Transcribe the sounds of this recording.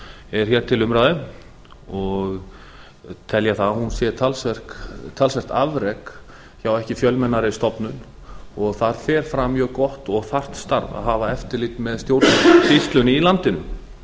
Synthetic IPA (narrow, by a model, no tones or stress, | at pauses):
ɛɾ̥çɛɾ̥t̪ʰɪlʏmɾaːðʏm | ɔɣ | t̪ʰɛljaθaðhunsjɛt̪ʰalsɛr̥kt̪ʰalsvɛr̥t̪avɾɛk | çawɛhcɪfjœlmɛnːaɾɪst̪ɔpnʏn | ɔɣθaɾ̥fɛːɾ̥fɾamjœːɣkɔht̪ɔɣθar̥t̪st̪a̰ɾva̰ðɦaːvaɛft̪ɪɾliːt̪mɛðst̪jowɾt̪t̪ist̪lʏnɪilant̪ɪnʏ̰